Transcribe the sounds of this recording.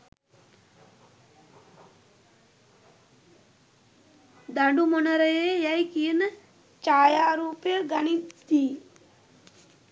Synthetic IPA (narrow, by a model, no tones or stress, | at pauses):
d̪aɳɖumonəɾəjəjɐjkijənə | t͡ʃaːjaːɾuːpejəɡɐnit̪ːiː